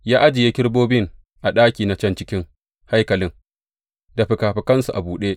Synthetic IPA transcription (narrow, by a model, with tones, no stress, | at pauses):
jaː˦ʔa˦d͡ʒɪ˨je˦kʲɪ˦ɽboː˦bɪ˦ŋ | ʔa˨ɗaː˦kʲiː˨na˨t͡ʃɐ˦nt͡ʃɪ˦kʲɪ˦ŋ | ha˦jkɐ˨lɪ˦ŋ | da˨ɸɪ˨kaː˨ɸɪ˨˦kɐ˦nsu˨ʔa̰˨buː˨ɗeː˦ʔ